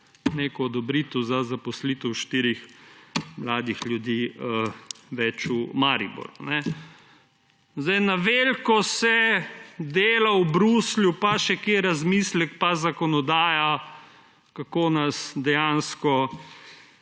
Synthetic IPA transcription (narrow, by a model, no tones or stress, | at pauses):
neːkɔːd̪ɔbɾit̪ɔzazapɔsliːt̪əwʃt̪iɾix | mlaːd̪ixljud̪iːəʋɛt͡ʃumaːɾḭbɔ̰ɾunɛ | zd̪ɐjnaʋelkɔsɛ | d̪eːlawbɾuːsljupaʃɛkeɾazmiːslɛkpazakɔnɔd̪aːja | kakoːnasd̪ɛjanskɔ